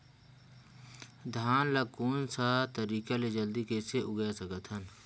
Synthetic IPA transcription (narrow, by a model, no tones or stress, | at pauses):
d̪ʱaːnlɐɡkuːnsat̪əɾiːkaled͡ʒəld̪ikeseʊɡasəkət̪ʰɦən